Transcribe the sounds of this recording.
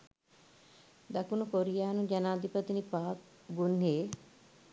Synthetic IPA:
d̪ɐkunukoɾijaːnũd͡ʒɐnaːd̪ipət̪inipaːk̚ | ɡunːeː

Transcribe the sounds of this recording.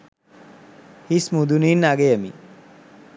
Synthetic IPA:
hismud̪uninːaɡejəmḭ

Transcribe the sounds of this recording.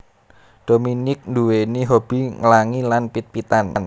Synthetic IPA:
d̥o̤minɪk̚nduweniɦob̥i̤ŋəlaŋilanpit̪̚pit̪ann

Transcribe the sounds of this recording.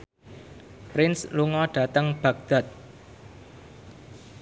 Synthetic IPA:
pɾɪnsluŋɔɖ̥ä̤t̪əŋb̥ä̤ɡ̚d̪̥a̤t̪̚

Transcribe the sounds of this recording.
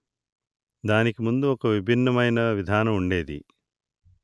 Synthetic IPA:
d̪aːnikumund̪uɔkɐʋibʱinːɐmɐjnɐʋid̪ʱaːnɐmuɳɖe̞ːd̪ḭ

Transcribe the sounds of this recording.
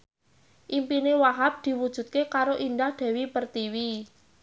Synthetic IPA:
ʔimpinewaɦap̚d̪̥i̤wud̥ʒ̥ṳt̪̚kekaɾoʔind̪ahd̪̥ɛ̤wipərt̪iwi

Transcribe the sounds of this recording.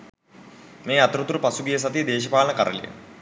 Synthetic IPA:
meːat̪ɾut̪uɾupasuɡijəs̬ɐt̪id̪eːʃɐpaːlɐnəkaɾə̰lḭjə̰

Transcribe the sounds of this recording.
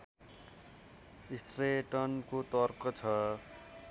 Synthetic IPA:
ist̪reʈʌnkot̪ʌrkʌt͡sʰʌ

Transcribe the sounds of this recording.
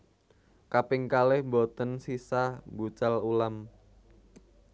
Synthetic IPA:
kapɪŋkalɪhmbot̪ənsisabut͡ʃalulam

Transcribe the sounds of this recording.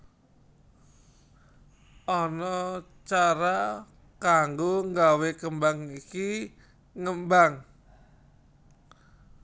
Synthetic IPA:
ɔnɔ | t͡ʃaɾa | kaŋɡoŋɡawekəmbaŋiki | ŋəmbaŋ

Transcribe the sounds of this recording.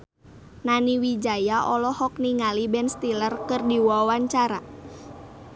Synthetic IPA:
naniwid͡ʒajaʔɔlɔhɔk̚niŋalibɛnst̪ilərkərdiwawaɲt͡ʃaɾa

